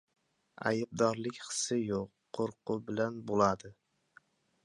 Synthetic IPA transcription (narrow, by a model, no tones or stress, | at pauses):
a̰jɪb̚d̪ɒɾlɪkʲχɨ̥sɪjoqːʰ | oɾqʊbɪlanbolˠad̪ɪ